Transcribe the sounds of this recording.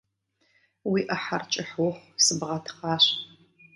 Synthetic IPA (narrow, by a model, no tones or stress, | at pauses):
wiːʔɐħart͡ʃʼɪħwʊχʷsɨbʁɐtʰχɑːɕ